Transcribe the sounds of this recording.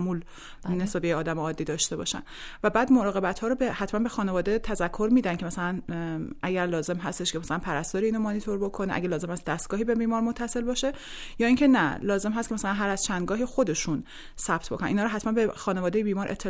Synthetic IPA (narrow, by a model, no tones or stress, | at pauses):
muːl | nesbæbejeɒːd̪æmeɒːd̪ːiːd̪ɒːʃt̪e̞bɒ̰ʃæ̰n | væbæːd̪moɾɒːɣe̞bæt̪hɒːɾobehæt̪ʰmænbexɒːne̞vɒːd̪e̞t̪ʰæzækʰːo̞ɾmiːd̪ænkʰcʰemæsælænæɟæɾlɒːze̞mɦæst̪e̞ʃcʰe̞mæsælænpʰæɾæst̪ɒːɾiiːnomɒnit̪ʰo̞ɾbo̞kʰoneæ̰ɡelɒːzemhæst̪d̪æst̪̚ɡɒːɦiːbe̞biːmɒːɾmot̪ʰːæse̞lbɒːʃe̞ | jɒːiːŋcʰenælɒːze̞mɦæst̪ce̞mæsælænɦæɾæz̥t͡ʃʰænd̪ɡɒːɦixo̞d̪e̞ʃun | sæb̥t̪ʰbo̞kʰonænʔiːnɒːɾɔɦæt̪mænbexɒːnevɒːd̪ejebiːmɒːɾʔe̞̰t̪ʰːe